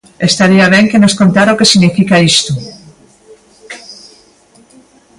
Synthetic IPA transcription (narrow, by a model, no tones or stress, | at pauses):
est̪aɾiaβ̞eŋkenoskont̪aɾaokesiɣnifikaist̪u